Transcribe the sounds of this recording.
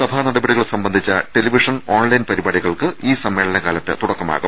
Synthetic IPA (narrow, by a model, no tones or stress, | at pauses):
sɐbʱanɐɽɐbɐɽiɣɐɭsɐmbɐnd̪ʱit͡ɕːɐʈe̞liʋiʂɐnoːnlɐjnpɐɾibaːɽiɣɐɭkɨʔiːsɐmːe̞ːɭɐnɐɣaːlɐt̪ːet̪uɽɐkːɐma̰ːɣum